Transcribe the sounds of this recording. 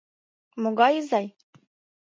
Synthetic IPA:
moɡɑjzɑj

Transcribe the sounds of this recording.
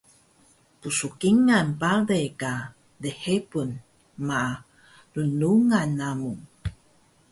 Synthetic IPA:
pusukiŋanpaɾeka | dehepun | ma | lunuŋanːamuŋ

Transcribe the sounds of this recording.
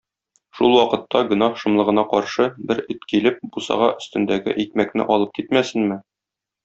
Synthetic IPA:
ʃulˠwɒqɤ̆t̪ːɑɡɵ̆nɑhʃɤ̆mlˠɤ̆ʁɤ̆nɑqɒɾʃɤbɘɾɵt̪kilɘp̚busɑ̰ʁɑ̰ʔɵ̆st̪ɵ̆nd̪æɡɘ̰ʔik̚mæknɘ̰ʔɒlˠɤp̚kit̪mæsɘ̆nmɘ

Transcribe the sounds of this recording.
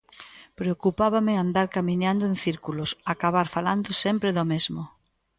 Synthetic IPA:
pɾeokupaβamɪand̪aɾkamiɲãnd̪oẽŋθiɾkulosakaβ̞aɾfaland̪osɛmpɾeðomezmo

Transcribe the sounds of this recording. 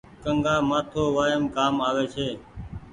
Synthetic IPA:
kəŋɡaːmaːt̪ʰoːʋaːəmkaːmaːʋeːt͡ʃʰeː

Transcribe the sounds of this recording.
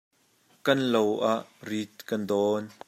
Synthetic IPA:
kɐnlowʔaʔrit̪̚kɐndɔːn

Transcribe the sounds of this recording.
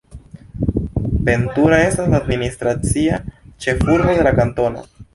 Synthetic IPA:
pentuɾae̞staslad̪ministɾat͡siat͡ʃe̞fuɾbo̞de̞lakanto̞no̰

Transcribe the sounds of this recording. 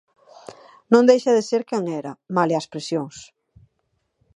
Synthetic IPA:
nõŋd̪ejʃɐðɪseɾkɛŋɛɾɐmalɪɐspɾesjoŋs

